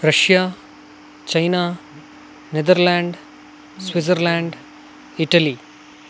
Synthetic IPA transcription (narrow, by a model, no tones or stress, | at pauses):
ɾɐʃjaː | t͡ɕɐjna | ned̪əɾlaːɳɖ | sʋid͡zəɾlaːɳɖ | iʈɐli